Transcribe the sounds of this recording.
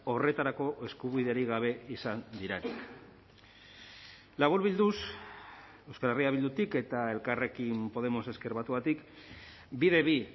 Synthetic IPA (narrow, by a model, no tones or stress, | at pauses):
o̞re̞t̪aɾako̞ʔe̞skuβiðe̞aɾiɣaβ̞e̞isand̪iɾenik | laβ̞uɾβild̪us | e̞wskaleriaβild̪ut̪ike̞t̪ae̞lkare̞kimpo̞ðe̞mo̞se̞ske̞ɾβat̪uat̪ik | biðe̞βi